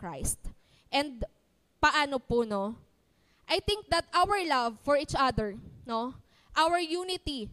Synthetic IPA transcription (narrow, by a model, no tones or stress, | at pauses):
kɹajst̪ | ʔɛnd̪̚ | pɐʔaːnopʊno | ʔajt̪ɪ̃ŋk̚d̪ɐt̪ʔawɛɹlavfɔɹit͡ʃʔad̪ɛɹno | ʔawɛɹjuːnɪt̪i